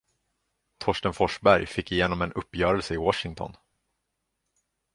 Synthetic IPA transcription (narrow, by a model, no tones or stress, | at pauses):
t̪ʰɔʂʈənfɔʂbæɾjfɪkːɪjeːnɔmɛnɵpːjœːɾəlsəɪwɔʂɪŋt̪ʰɔ̰n